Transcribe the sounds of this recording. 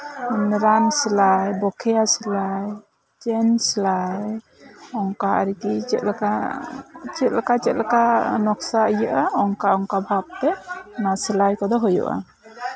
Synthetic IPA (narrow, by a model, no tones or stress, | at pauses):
ɾansilajbɔkʰɛjasilaj | t͡ʃɛnsilaj | ɔŋkaʔa̰ɾikit͡ʃɛt̪̚laka | t͡ʃɛt̪̚lakat͡ʃɛt̪̚lakanɔksaəjəʔaɔŋkaʔɔŋkabʱap̚tɛnasilajkɔd̪ɔɦujṵʔa̰